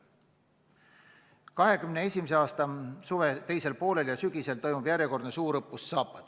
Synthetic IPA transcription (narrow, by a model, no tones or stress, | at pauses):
kɑɦe̞kymnee̞sʲimiseɑːst̪ɑsuvet̪e̞jse̞lpo̞ːle̞ljɑsyɡ̥ise̞lt̪o̞jmub̥jæɾje̞ko̞rd̪nesuːɾɤpːˑusːɑːpːˑɑd̪̥